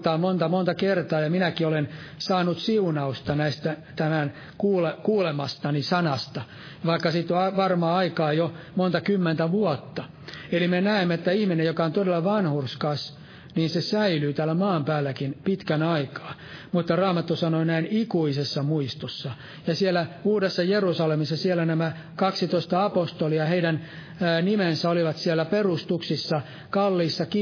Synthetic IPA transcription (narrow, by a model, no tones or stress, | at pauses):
t̪ɑːmont̪ɑmont̪ɑkert̪ɑːjɑminækiolensɑːnut̪siunɑust̪ɑnæist̪æt̪æmæn | kuːlekuːlemɑst̪ɑnisɑnɑst̪ɑ | ʋɑikːɑsit̪ɑʋɑrmɑːɑikɑːjomont̪ɑkymːent̪æʋuɔt̪ːɑ | elimenæimːeet̪ːæihminejokɑont̪odelːɑʋɑnhurskɑs | niːnsesæilyːt̪æːlːæmɑːmpæːlːækinpit̪kænɑikɑ̥ː | mut̪ːɑrɑːmɑt̪ːusɑnoinæinikuisesːɑmuist̪osːɑ | jɑsiælːˑæuːdesːɑjerusɑlemisːɑsielːˑænæmæ | kɑksit̪oist̪ɑɑpost̪oliɑheidænː | nimensæoliʋɑt̪siælːˑæperust̪uksisːɑ | kɑlːiːsːɑki